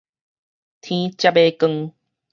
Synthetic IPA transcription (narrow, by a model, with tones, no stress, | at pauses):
t̪ʰĩ˦t͡ɕja˦˧pe˧kə˧ŋ